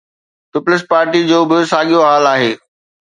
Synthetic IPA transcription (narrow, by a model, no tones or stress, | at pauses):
tʊplɪs̬paːɾʈid͡ʑoːbɪsaːɠijoɦaːlaːɦeː